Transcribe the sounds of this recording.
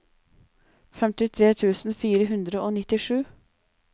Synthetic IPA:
fɛmt̪ɪt̪ʰɾeːt̪ʰʉːsn̩fiːɾəɦʉnd̪ɾəoːnɪt̪ɪʂʉː

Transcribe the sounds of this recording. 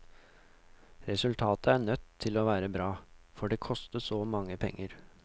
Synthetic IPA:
ɾɛsʉlt̪ʰɑːt̪əæɳœt̪ʰːɪloːʋæːɾəbɾɑːfɔɖeːkʰɔst̪əsoːmɑŋːəpʰɛ̰ŋːəɾ

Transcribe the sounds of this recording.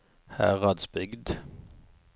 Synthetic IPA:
hæ̰ːʁɑd̪sbʏɡd̪

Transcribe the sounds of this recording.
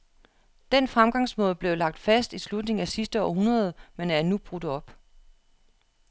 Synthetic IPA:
d̥enfʁamɡ̥ɑ̈ŋ̰smɔ̽ːðˠb̥le̝ʊlɑ̈ɡ̥̚d̥fæsd̥islud̥ne̝ŋ̩æsisd̥əɒ̰ːɦunʁɐð̞̩ˠmenæɐnub̥ʁud̥ɒ̽b̥

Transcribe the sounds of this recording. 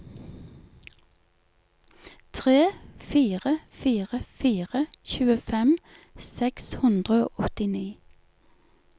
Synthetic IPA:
t̪ʰʁeːfiːʁəfiːʁəfiːʁəçʉːəfɛm | sɛkshʉnd̪ʁəo̰ːʔɔt̪ɪniː

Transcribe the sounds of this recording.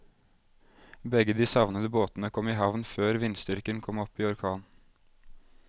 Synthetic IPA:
bɛɡəd̪iːsɑʋnəd̪əboːt̪n̩əkʰɔmiːɦɑʋnføːɾʋɪnst̪ʏɾkənkʰɔmɔpiːɔɾkʰɑːn

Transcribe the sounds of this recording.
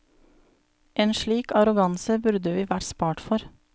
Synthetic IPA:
ʔeːnʃɭiːkɑɾʊɡɑnsəbʉɾd̪əʋiːʋæʈspɑːʈfɔɾ

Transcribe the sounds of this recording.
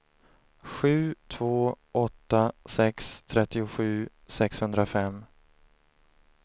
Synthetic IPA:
ɧʉ̟ːt̪ʰvoːʔɔt̪ːasɛkst̪ʰɾɛt̪ːɪʊɧʉ̟ː | sɛkshɵnd̪ɾafɛm

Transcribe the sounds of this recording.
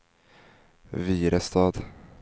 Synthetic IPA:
viːɾəst̪ɑːd̪

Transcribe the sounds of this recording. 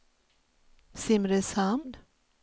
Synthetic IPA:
simɾɛsamd̪

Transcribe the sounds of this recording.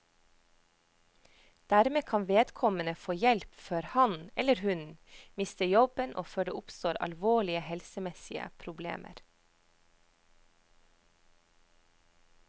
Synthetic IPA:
d̪̥æɾmeːkʰɑnʋeːd̪kʰɔmənəfoːjɛlpføːɾhɑnɛləɾhʉnmɪst̪əjɔbənʔo̰ːføːɖeːʔʊpst̪oːɾɑ̰lʋoːɭɪəhɛlsəmɛsɪə̰pʰɾʊblḛːmʔə̰ɾ

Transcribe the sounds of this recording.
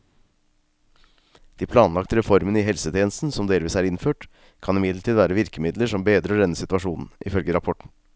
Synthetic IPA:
d̪̥iːpʰlɑːnlɑkt̪əɾɛfɔɾmənəɪːɦɛlsət̪ʰjeːnəst̪n̩sɔmd̪eːlʋiːsæːɾɪnføːʈ | kʰɑnɪmɪd̪ləʈʰiːd̪ʋæːɾəʋɪɾkəmɪd̪ləʂɔmbeːd̪ɾəɔd̪ɛnːəsɪt̪ʋɑʂuːnn̩ɪfœlɡəɾɑpʰɔʈɳ̩

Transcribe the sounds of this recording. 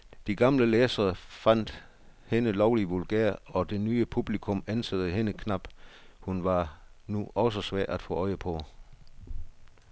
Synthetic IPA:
d̥iɡ̥ɑ̈mləleːsɐːfæn̰d̥ | he̝nəlɒʊliʋulɡ̥eɐ̰ɒ̽d̥e̝nyːəpʰub̥likʰɔ̽mænsʰæðˠəɦe̝nəkʰnɑ̈b̥ | hunʋɑ̈ | nuʔɒ̽sɒsʋæɐ̰ʔæd̥fɔ̰̽ːɒ̽ɪəpʰɒ̽

